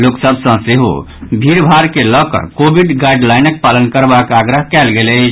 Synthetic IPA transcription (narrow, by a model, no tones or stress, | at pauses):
loksəbsə̃seɦo̰ | bʱiɾbʱaɾkeləkə̰ɾkobʱiɖɡaiɖlajnək̚palənkəɾbakaɡɾəɦkɛlɡelɛ